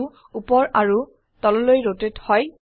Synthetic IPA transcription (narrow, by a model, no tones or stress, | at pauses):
upɔɹaɹu | tɔlɔlojɹotethɔj